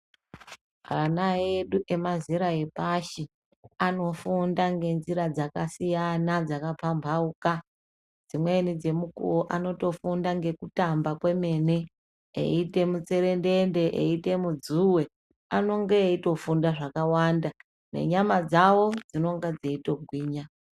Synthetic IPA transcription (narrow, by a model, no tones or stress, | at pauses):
anajeɗuʔe̞maziɾaepaʃi | ano̞fundaŋɡe̞nziɾad͡zakasijanad͡zakapambʱauka | d͡zimwe̞nid͡ze̞mukṵoʔano̞to̞fundaŋɡe̞kutambakwe̞me̞ne̞ | ḛite̞mut͡se̞ɾe̞ndende̞ʔḛite̞mud͡zuwe̞ | ano̞ŋɡeito̞fundaʐakawaːnda | ne̞̰ɲamad͡zawo̞d͡zino̞ŋɡad͡zeito̞ɡʱwiːɲa